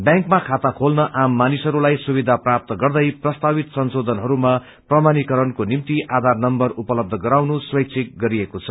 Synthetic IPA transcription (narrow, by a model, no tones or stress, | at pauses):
bjãŋkmakʰat̪akʰolnʌʔamːanisʌɾulajsubid̪ʱaprap̚t̪ʌɡʌrd̪ʌjprʌst̪abit̪sʌnsod̪ʱʌnɦʌɾuma | prʌmanikʌɾʌnkonimt̪iʔad̪ʱarnʌmbʌrupʌlʌb̚d̪ʱʌɡʌɾawnuswʌjk̚t͡sʰek̚ɡʌɾiekot͡sʰʌ̥